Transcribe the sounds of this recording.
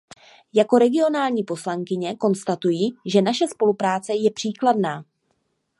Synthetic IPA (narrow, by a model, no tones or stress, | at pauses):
jako̞ɾɛɡɪo̞naːlɲiːpo̞slaŋkɪɲɛko̞nst̪at̪ujiːʒɛnaʃɛspo̞lupɾaːt͡sɛjɛpr̥iːkladnaː